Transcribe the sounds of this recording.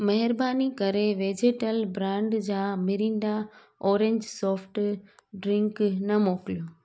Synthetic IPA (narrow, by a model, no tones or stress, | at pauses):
mɐɦɪɾbaːnikɐɾeʋeːd͡ʑeːʈəlbɾãːɳɖd͡ʑaːmɪɾĩːɳɖ̪a | ɔːɾẽɲd͡ʑsɔːfʰʈɖɾɪ̃ŋknɐmoːkɪlijoː